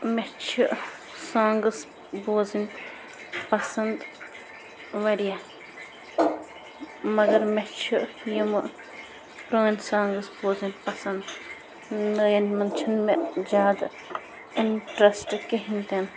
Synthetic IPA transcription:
met͡ʃʰuʔ | sãːŋɡɐs | boːzin | pɐsɐnd̪ | ʋɐɾija | mɐɡɐɾmet͡ʃʰu | jumɐ | pɾoːinsãːŋɡɐsboːzinpɐsɐnd̪ | nəjɐnmɐnt͡ʃʰɐnmed͡ʒʲjaːd̪ɐ | inʈɾɐsʈkiɦint̪en

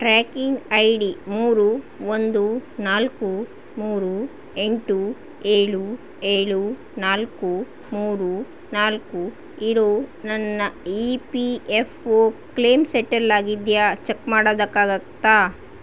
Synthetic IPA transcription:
ʈɾaːkiŋɡɐjɖimuːɾu | ond̪unaːlku | muːɾu | eɳʈu | eːɭu | eːɭu | naːlku | muːɾu | naːlku | iɾoːnɐnːɐipiepʰoːkleːmseʈɐɾlaːɡid̪jaːt͡ʃekmaːɽoːd̪ɐkːaːɡɐkt̪aː

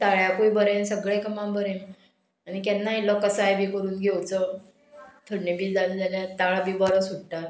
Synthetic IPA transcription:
t̪aɭjakuibəɾẽnsəɡɭẽkəmãmbʱəɾem | añikɛnːailɔkəsəajbikəɾuːnɡʱewt͡sə | t̪ʰəɽɳibiːd͡zald͡zaljat̪aɭabʱibaɾə̃suɽʈat̪

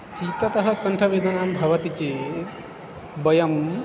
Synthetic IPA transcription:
siːt̪ɐt̪ɐɦɐ̆kɐɳʈʰɐʋeːd̪ɐnaːmbʱɐʋɐt̪it͡ʃeː | bɐjɐm

